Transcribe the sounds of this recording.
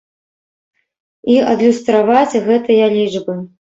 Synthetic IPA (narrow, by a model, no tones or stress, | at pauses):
iʔɐd̪lʲust̪ɾavat͡sʲɣɛt̪ɨjɐlʲid͡ʐbɨ